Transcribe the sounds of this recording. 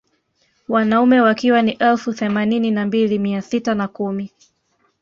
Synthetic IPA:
wanaumɛwakiwaniʔɛlfuθɛmanininambilimiasitanakumi

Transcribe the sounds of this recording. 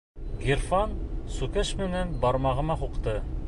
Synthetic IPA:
ɡerfɑnsukɘʃmɘ̆nænbɑɾmɑʁɤ̆mɑɦuqt̪ɤ

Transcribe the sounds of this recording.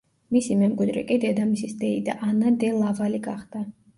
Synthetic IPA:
misimɛmkʼwid̪ɾɛ̰kʼid̪ɛd̪amisisd̪ɛid̪a̰ʔanad̪ɛlˠavaliɡaχd̪a

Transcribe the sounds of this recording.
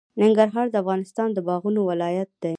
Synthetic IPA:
nɪŋɡaɾɦɑɾd̪əafɣɑnɪst̪ɑnd̪əbɑɣunowɪlɑjat̪̚d̪̥a

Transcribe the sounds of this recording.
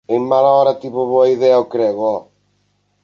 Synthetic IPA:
eŋmalaɔɾɐt̪iβʊβoɐiðɛɐʊkɾɛɣʊɔ

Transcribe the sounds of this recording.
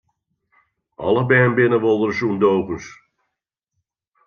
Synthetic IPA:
ɑlˠəbɛːnbɪnəʋolˠdərsundowkəns

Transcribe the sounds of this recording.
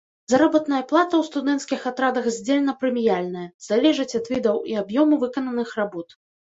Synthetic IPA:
zɐɾɔbɐt̪nɐjɐplˠat̪ɐwst̪ud̪ɛnt̪skʲixat̪ɾad̪ɐxzʲd͡zʲelʲɛnɐpɾɨmʲijalʲnɐjɐzalʲɛʐɐt͡sʲɐt̪vʲid̪ɐwiabjɔmuvɨkɐnɐnɨxrabɔt̪

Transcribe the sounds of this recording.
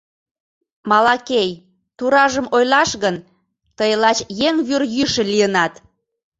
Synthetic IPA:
mɑlɑkej | t̪uɾɑʒəmojlɑʃɣən | t̪əjəlɑt͡ɕjeŋβyrjyʃə̆lijənɑt̪

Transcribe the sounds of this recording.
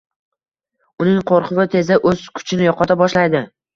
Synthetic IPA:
ʊnɪŋqʰoɾqʰɨvɪt̪ʰe̞zɪʔɵz̥kʰʊ̥t͡ʃʰɪnɪjɒqɒt̪ʰabɒʃlajd̪ɪ

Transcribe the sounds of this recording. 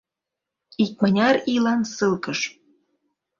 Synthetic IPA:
ik̚mɑnʲɑɾilɑnsɨlkəʃ

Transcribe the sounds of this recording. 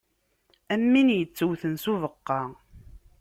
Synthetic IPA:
æmːinjət͡sːəwθənsuvəqːɑ

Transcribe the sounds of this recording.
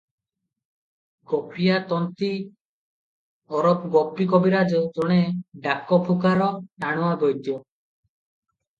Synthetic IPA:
kɔpʰijat̪ɔnt̪i | ɔɾɔpɡɔpːikɔbiɾad͡ʒɔd͡ʒɔɽ̃eɖakɔpʰukaɾɔʈaɽ̃ɔwabɔjd̪jɔ

